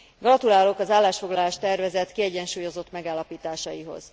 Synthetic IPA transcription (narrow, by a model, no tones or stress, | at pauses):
ɡrɒt̪ulaːlo̞kɒzaːlːaːʃfo̞ɡlɒlaːʃt̪ɛrvɛzɛt̪kiɛɟɛnʃuːjo̞zo̞t̪mɛɡaːlːɒpiːt̪aːʃɒjiɦo̞̰z̥